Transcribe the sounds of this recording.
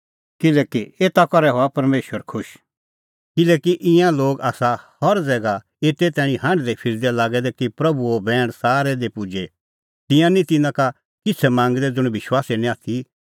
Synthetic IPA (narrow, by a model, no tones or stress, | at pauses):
kɪlɛːkieːt̪akɔɾɛɦoapɐɾmeːʃəɾkʰʊʃ | kɪlɛːkiʔɪ̃jãloːɡaːsahɔɾd͡zɛːɡa | eːt̪et̪ɛːɽ̃ĩɦãːɳɖd̪epʰɪɾd̪ɛlaːɡɛd̪ɛkipɾɐbuobɛːɽ̃saːɾɛd̪epʊd͡ʒe | t̪ɪ̃jãnĩt̪ɪnãka | kɪt͡sʰɛmãːŋɡd̪ɛd͡zʊɽ̃ʋɪʃwaːsenĩaːt̪ʰi